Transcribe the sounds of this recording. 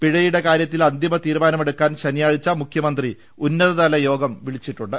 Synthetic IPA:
piɻɐjuɽe̞kaːɾjɐt̪ːilɐnd̪imɐt̪iːɾumaːnɐmeɽukːaːnɕɐnijaːɻit͡ɕːɐmukʰjɐmɐnd̪ri | unːɐðɐðɐlɐjo̞ːɡɐmʋiɭit͡ɕːiʈːuɳɖɨ

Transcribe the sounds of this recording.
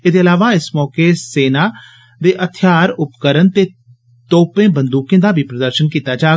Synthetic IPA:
ɪd̪eəlaːʋaɪsmɔːkeseːna | d̪eːʔɐt̪ʰjaːɾʊpkəɾənt̪e | t̪oːpẽːbə̃nd̪uːkẽd̪abʱipɾəd̪əɾʃənkiːt̪ad͡ʒaː

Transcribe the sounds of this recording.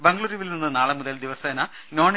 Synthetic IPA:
beŋɡɐɭuːɾiʋilninːɨnaːɭɐmuðɐld̪iʋɐsɐɐnɐ | noːɳ

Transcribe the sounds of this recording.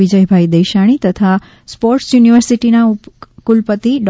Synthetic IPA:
id͡ʒəjbʱaid̪əjʃaɽ̃it̪ət̪ʰa | spɔɾʈsjuniʋəɾsiʈinaukulpət̪iɖ

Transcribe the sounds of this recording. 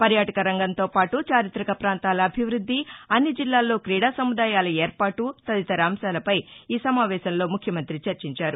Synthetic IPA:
pɐɾjaːʈɐkɐɾɐŋɡɐnt̪o̞ːpaːʈut͡ʃaːɾit̪ɾɐkɐpɾaːnt̪aːlɐːbʱiʋɾud̪ʱːiɐnːid͡ʒilːaːlːo̞ːkɾiːɽaːsɐmud̪aːjaːlɐeːɾpaːʈut̪ɐd̪it̪ɐɾaːmsaːlɐpɐjiːsɐmaːʋɛːʃɐnlo̞ːmukʰjɐmɐnt̪ɾit͡ʃɐɾt͡ʃiɲt͡ʃaːɾu

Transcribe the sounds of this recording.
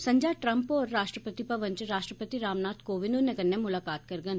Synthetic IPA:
sɐ̃ɲd͡ʒaːʈɾɐ̃mpɔːɾːaːʃʈɾəpət̪ipɐʋə̃ɲt͡ʃɾaːʃʈɾəpət̪iɾaːmnaːt̪koːʋɪnũnekɐnːemʊlaːkaːt̪̚kɐɾɡən

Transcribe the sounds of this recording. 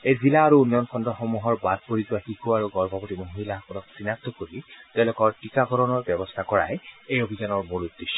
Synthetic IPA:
ejzilaːɹuunːɔjɔnkʰɔndɔxɔmuɦɔɹbad̪̚poɹizʊwaxikʰuaɹuɡɔɹbʱɔpotimoɦilakɔnɔksinak̚t̪ɔkoɹit̪ɛʊ̃lʊkɔɹtikaɡɔɹɔnɔɹbjɔbɔst̪ʰakɔɹa̰jejobʱizanɔɹmuɹud̪ːiʃːɔ

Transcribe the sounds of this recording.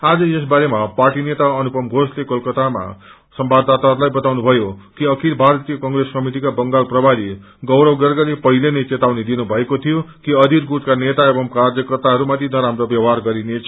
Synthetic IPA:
ad͡zʌjes̬baɾemaparʈinet̪aʌnupʌmɡʱoslekʌlkʌt̪ama̰ | sʌmbad̪at̪arlajbʌt̪awnubʱʌjokiʌkʰilbʱart̪ijʌkʌŋreskʌmiʈ̬ikabʌŋɡalprʌbʱaɾi | ɡʌwɾʌwɡʌrɡʌlepʌɦilenʌjt͡set̪awned̪inubʱʌekot̪ʰijokiʌd̪iɾɡut̪kanet̪aebʌmkard͡zʌkrʌt̪aɦʌɾumat̪ʰinʌɾamrobjʌwɦarɡʌɾinet͡sʰ

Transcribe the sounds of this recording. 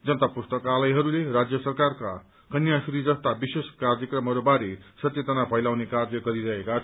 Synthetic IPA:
d͡zʌnt̪apust̪ʌkalʌjɦʌɾulerad͡zjʌsʌrkarka | kʌnjasuɾid͡zʌst̪abiseskard͡zʌkrʌmɦʌɾubaɾesʌt̪jeʌd͡zʌnabʱʌjlawnekarjʌɡʌɾiɾʌɦekat͡sʰ

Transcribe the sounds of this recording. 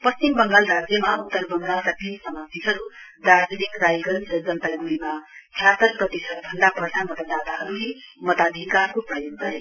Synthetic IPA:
pʌst͡ɕimbʌŋɡalrad͡zjʌmaut̪ːʌrbʌŋɡalkat̪insʌmat̪iɦʌɾud̪aɾd͡zenikrajɡʌɾsʌd͡zʌnt̪aɡuimak̪ʰjat̪ʌrprʌt̪isʌt̪bʱʌnd̪apʌɾtʰamʌt̪əd̪at̪aɦʌɾuɦimʌt̪ad̪ʱikarkoprʌjod̪ʱʌɦe

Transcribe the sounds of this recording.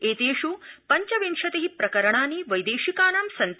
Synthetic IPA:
eːt̪eːʂupɐɲt͡ʃɐʋinʂɐt̪eɦipɾɐkɐɾɐɳaːniʋɐjd̪eːʂikaːnamsɐnt̪

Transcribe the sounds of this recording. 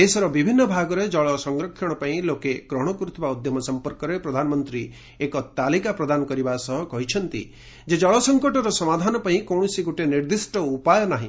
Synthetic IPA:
esɔɾɔbibʱinːɔbʱaɡɔɾed͡ʒɔɭɔsɔŋɡɾɔkʰːjɔɽ̃ɔpaĩlokekɾɔɦɽ̃ɔkɾut̪baud̪jɔmɔsɔmpɔɾkɔɾepɾɔd̪ʱanɔmɔnt̪ɾi | ekɔt̪alikapɾɔd̪anɔkɔɾibasɔɦɔkɔɦit͡ʃʰɔnt̪ḭ | d͡ʒed͡ʒɔɭɔsɔŋkɔʈɔɾɔsɔmad̪ʱanɔpaĩkɔwɽ̃ɔsiɡoʈeniɾd̪isʈɔupajɔnaɦḭ̃

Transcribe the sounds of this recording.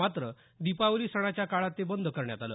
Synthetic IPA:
at̪ɾə | d̪ipawliːsəɽ̃at͡ɕjakaɭat̪ːebənd̪ʱəkəɾɳjat̪alə̰ː

